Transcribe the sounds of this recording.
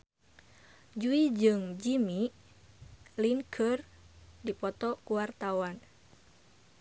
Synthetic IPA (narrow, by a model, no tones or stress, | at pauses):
d͡ʒuid͡ʒɨŋd͡ʒimi | liŋkʰər | dipɔt̪ɔkuwart̪awan